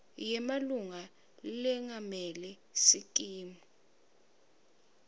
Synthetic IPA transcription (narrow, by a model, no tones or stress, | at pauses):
jɛmaluŋa | lilɛŋamɛlɛ | sikʼiːmu